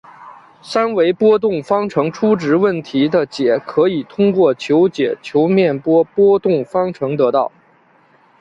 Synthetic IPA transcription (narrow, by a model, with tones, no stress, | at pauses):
sa˥nwe˧˥ɪpwɔ˥t̪̬ʊ˥˩ŋfɑ˥ŋʈ͡ʂʰɤ˧˥ŋʈ͡ʂʰu˥ʈ͡ʂɻ̩˧˥wə˥˩nt̪ʰi˧˥d̪ə˧t͡ɕjɛ˨˩kʰɤ˧˥i˨˩t̪ʰʊ˥ŋkwɔ˥˩t͡ɕʰjo˧˥ʊt͡ɕjɛ˨˩t͡ɕʰjo˧˥ʊmjɛ˥˩npwɔ˥pwɔ˥t̪ʊ˥˩ŋfɑ˥ŋʈ͡ʂʰɤ˧˥ŋt̪ɤ˧˥t̪ɑ˥˩ʊ